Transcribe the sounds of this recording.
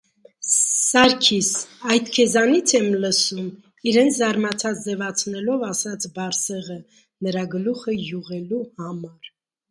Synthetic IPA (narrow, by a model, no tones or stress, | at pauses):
sɑɾkʰisɑjd̪kʰɛzɑnit͡sʰɛmləsum | iɾɛnt͡sʰzɑɾmɑt͡sʰɑt͡sʰzɛvɑt͡sʰnɛlɔvɑsɑt͡sʰbɑɾsɛʁə | nəɾɑɡəluχəjuʁɛluhɑmɑɾ